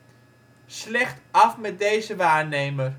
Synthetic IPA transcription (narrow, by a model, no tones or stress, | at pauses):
slɛχtɑfmɛt̚dejzəʋaːɹnejmər